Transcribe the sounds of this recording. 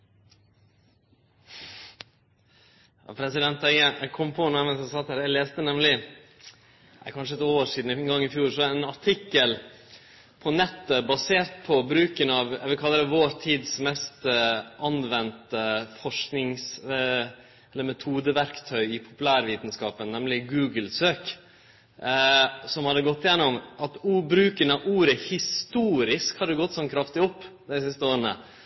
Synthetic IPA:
jɑ̰ːpʰɾɛsɪd̪ɛnt̪æɪɡəʔækʰɔmːpʰɔnuɛmɛnsɛsɑt̪hæːɾæleːst̪ənɛmlɪ | æ̰kʰɑnʂəɛt̪oːʂiːd̪n̩ɪɛnɡɑŋːɪfjuːɾʂɔɑɛnɑʈʰɪkːəl | pʰɔnɛt̪ːəbɑseːɾt̪pʰɔbɾʉːkənɑːʋæ̰ʋɪlkʰɑlːəd̪ɛʋoːɾt̪ʰiːd̪smɛst̪ʔɑnʋɛnt̪əfɔʂknɪŋs | ɛlːəɾmɛt̪ʰuːd̪əʋæɾkt̪ʰœʏɪpʰʊ̥pʉlæːɾʋiːt̪n̩skɑːpənnːɛmlɪɡʉːɡlsøːk | sɔmhɑd̪ːəɡɔt̪ːɪjɛnːɔmʔɑt̪uːbɾʉːkənɑuːɾəhɪst̪uːɾɪskhɑd̪ːəɡɔt̪ːsɔnkʰɾɑft̪ɪɔpːd̪æɪsɪst̪əoːɾənə̰

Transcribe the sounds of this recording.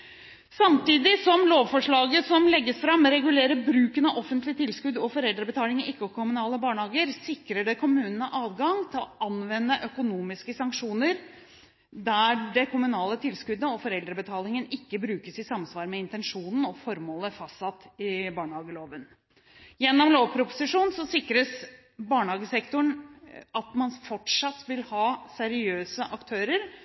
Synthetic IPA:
sɑmt̪iːd̪ɪsɔmloːʋfɔʂɭɑːɡəsɔmlɛɡːəsfɾɑmːɾɛɡʉleːɾəbɾʉːkənɑʔɔfənt̪lɪt̪ʰɪlskʉd̪ɔfɔɾɛld̪ɾəbət̪ʰɑːlɪŋəɪkːɔkʰʊmʉnɑːləbɑːɳəhɑːɡəɾsɪkɾəɖɛkʰʊmʉːnənəʔɑːd̪ɡɑŋt̪ʰɪlɔʔɑnʋɛnːəʔœkʊnuːmɪskəsɑŋkʂuːnəɾ | d̪æɖɛkʰʊmʉnɑːlət̪ʰɪlskʉd̪əɔfɔɾɛld̪ɾəbət̪ʰɑːlɪŋənɪkːəbɾʉːkəsɪsɑmsʋɑːɾmɛɪnt̪ɛnʂuːnn̩ɔfɔɾmoːləfɑst̪sɑt̪ːɪbɑːɳəhɑːɡəloːʋən | jɛnːɔmloːʋpʰɾʊpʊ̥sɪʂuːnsɔsɪkːɾəs | bɑːɳəhɑːɡəsɛkt̪ʊɳɑt̪mɑnfɔʈʂɑt̪ːʋɪlhɑːsɛɾɪøːsəʔɑkt̪ʰøːɾəɾ

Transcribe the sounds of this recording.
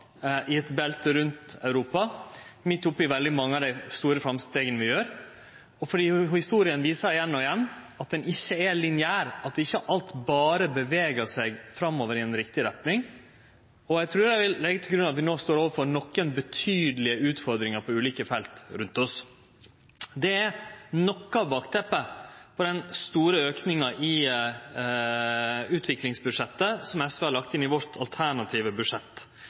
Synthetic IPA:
ʔɪɛt̪bɛlt̪əɾʉnt̪ɑʉɾuːpɑmɪt̪ːʊpːɪʋɛld̪ɪmɑŋːəɑːʋd̪æɪst̪uːɾəfɾɑmst̪eːɡənəʋɪjøːɾ | ɔfɔɖiːhɪst̪uːɾɪənʋiːsəɾɪjɛnːɔɪjɛnː | ɑt̪̚d̪ɛnʔɪçːəɛlɪnɪæːɾɑt̪̚d̪ɛɪçːəʔɑlt̪bɑːɾəbəʋeːɡəsɛɡfɾɑmːoːʋəɾɪɛnɾɪk̚t̪ɪɾɛp̪nɪŋ | ɔjæɡt̪ʰɾʉːɾæʋɪlːɛɡːət̪ʰɪlɡɾʉnɑt̪ʋɪnoːst̪oːɾoːʋəfɔɾnɔkːənbət̪ʰyːd̪əlɪəʉːt̪fɔɾd̪ɾɪŋɑɾpʰɔʉːliːkəfɛlt̪ɾʉnt̪ɔs | d̪ɛɛnɔkːɑʋbɑːkt̪ʰɛpːəpʰɔd̪ɛnst̪uːɾəøːknɪŋɑʔɪ | ʉːt̪ʰʋɪklɪŋsbʉʂɛt̪ːəsɔmɛsʋəhɑɾɭɑkt̪ɪnɪʋɔɾt̪ʰɑlt̪ʰæɳɑt̪ʰiːʋəbʉʂɛt̪ː

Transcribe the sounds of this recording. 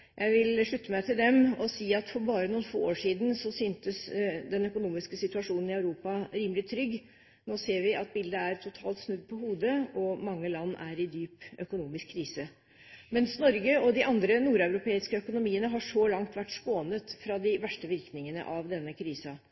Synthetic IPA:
jʔæɪʋɪlʂɭʉt̪ːəmæɪt̪ʰɪld̪ɛmɔsiːɑt̪fɔɾbɑːɾənuːnfo̰ːoːʂiːd̪n̩sɔsyːnt̪əsd̪ɛnœkʊnuːmɪskəsɪt̪ʉɑʂuːnn̩ɪɑʉɾuːpɑɾiːməlɪt̪ʰɾʏɡː | noːseːɾʋɪʔɑt̪̚bɪld̪əæɾt̪ʰʊt̪ʰɑːlt̪snʉd̪̚pʰɔhuːd̪əɔmɑŋːəlɑnːæɾɪd̪yːpœkʊnuːmɪskʰːɾiːsə | mɛnsnɔɾɡəɔd̪ɪʔɑnd̪ɾənuːɾæʉɾʊpʰeːɪskəœkʊnʊmiːənəɦɑʂɔlɑŋt̪ʋæʈːskoːnət̪fɾɑd̪ɪʋæʂʈəʋɪɾknɪŋənə̰ʔɑʋd̪ɛnːəkʰɾiːsɑ

